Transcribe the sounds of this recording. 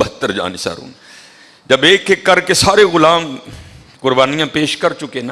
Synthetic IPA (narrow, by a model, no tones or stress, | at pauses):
bəət̪ːəɾd͡ʒa̰ːnisa̰ːɾṵːn | d͡ʒɐbeːkːekɐɾkesaːɾeɣʊlaːm | kʊɾbaːnijãːpeːʃkɐɾt͡ʃʊkeːna